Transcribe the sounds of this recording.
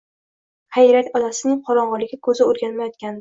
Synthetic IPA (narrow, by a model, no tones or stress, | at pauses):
hɑjɾat̪ʲɒlasɪnɪŋqʰɒɾɒɴʁɑlɪɡʲɪkʰɵzɪoɾɡʲanmajɒt̪̚kʲand̪